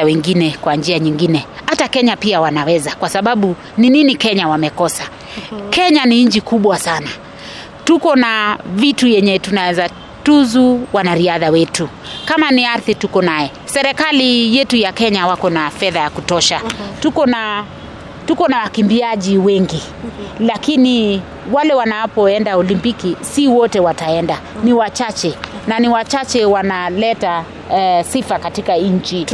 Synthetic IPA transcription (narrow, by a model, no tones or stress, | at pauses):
awɛŋɡinɛkwaɲd͡ʒiaɲiŋɡinɛhatakɛɲapiawanawɛzakwasaɓaɓu | nininikɛɲawamɛkɔsa | kɛɲaniɲ̩t͡ʃikuɓwasana | tukɔnavitujɛɲɛtunawɛza | tuzuwanaɾiaðawɛtu | kamaniaɾθitukɔnajɛ | sɛɾɛkalijɛtujakɛɲawakɔnafɛðajakutɔʃatukɔna | tukɔnawakimbiaʄiwɛŋɡi | lakini | walɛwanawpɔɛndaɔlimpikisiwɔtɛwataɛnda | niwat͡ʃat͡ʃɛnaniwat͡ʃat͡ʃɛwanalɛta | sifakatikaɲɲ̩t͡ʃi